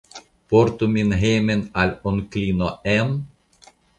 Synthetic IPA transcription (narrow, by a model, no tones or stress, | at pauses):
pɔɾt̪uminɦeːmenalɔnklinɔɛn